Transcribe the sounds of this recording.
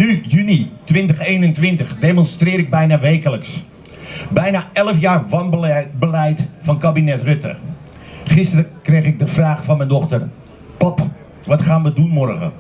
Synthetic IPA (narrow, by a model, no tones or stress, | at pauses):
nyjynitʋɪntəχeːnəntʋɪntəχdemɔnstrɪːɾɪɡ̚bɛjnaːʋejkələks | bɛjnaːɛləfjaːrvɑnbəlɛjtfɑnkabinɛtrøtə̰ | χɪstərəkrejχɪɡ̚dəfraːχfɑnmɛjndɔχtər | pɑp | ʋɑtχaːnʋədunmɔrɣə̰